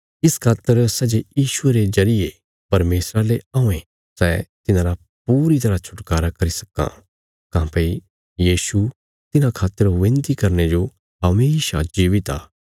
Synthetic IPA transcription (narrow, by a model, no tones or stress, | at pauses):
ɪskʰaːt̪ːəɾsɛd͡ʒejiːʃʊeɾezɐɾɪje | pɐɾmeːsɾaleaːũẽ | sɛːt̪ɪnãɾa | p̚uːɾit̪ɐɾat͡ʃʰʊ̥ʈkaːɾakɐɾisɐ̥kã̰ | kãːpei | jiːsu | t̪ɪnãkʰaːt̪ːəɾʋẽnt̪ikɐɾned͡ʒo | ɦɐmeːʃad͡ʒiːʋɪt̪a̰ː